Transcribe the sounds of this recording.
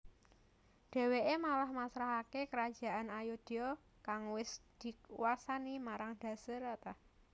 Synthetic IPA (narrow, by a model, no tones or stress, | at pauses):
ɖ̥ɛ̤weʔemalahmasɾaɦakekəɾad̥ʒ̥a̤ʔanajud̪̥eɔ | kaŋwɪsd̪̥i̤kṵwasanimaɾaŋd̥a̤səɾat̪a